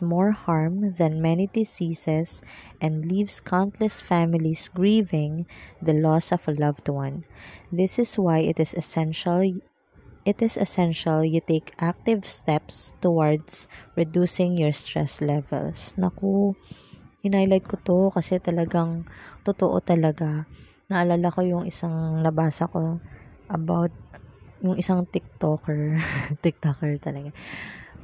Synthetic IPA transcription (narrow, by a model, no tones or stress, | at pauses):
smɔɹhaɹmðɐ̃nmɛnid̪ɪsiːsɛsʔɛ̃nd̪livskʰant̪lɛsfamɪlisɡɹivɪ̃ŋd̪ɐlɔsɔfɐlɐvt̪wãnðɪsɪswajɪt̪ɪsɛsɛ̃nʃɐl | ʔɪt̪ɪsɛsɛ̃nʃɐljʊt̪ekʔak̚t̪ɪvst̪ɛpst̪ɔwaɹd̪sɹɛd̪uːsɪŋjɔɹst̪ɹɛ̰slɛvɛ̰lsnɐko | hɪnajlɐd̪̚kot̪o̞kɐsɛt̪ɐlɐɡaŋt̪ʊt̪oʔo̰t̪ɐlɐɡa | nɐʔɐlaːlako̞jʊŋʔɪsaŋlɐbaːsɐko̞ʔɐbawt̪̚jʊŋʔɪsaŋt̪ɪk̚t̪okɛɹt̪ɪk̚t̪okɛɹt̪ɐlɐɡa